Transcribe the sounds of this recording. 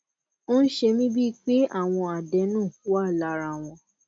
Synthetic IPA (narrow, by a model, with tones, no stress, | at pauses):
o˦n̩˦ʃe˧mĩ˦bi˦˧k͡pe˦a˦˨w̃ɔ̃˧a˨dɛ˨˦nũː˦˨fu˦a˦˨la˧˦ɾa˧˨w̃ɔ̃˧